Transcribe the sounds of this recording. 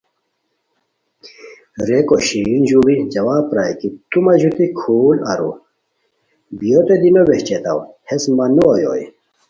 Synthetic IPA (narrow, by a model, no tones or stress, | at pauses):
ɾekoɕinʑubid͡ʑɐwaːpɾaːjkit̪umɐʑut̪ikʰuːlɐ̰ɾṵ | bijot̪ed̪inoweht͡ɕet̪awhesmɐnuojo̰jḭ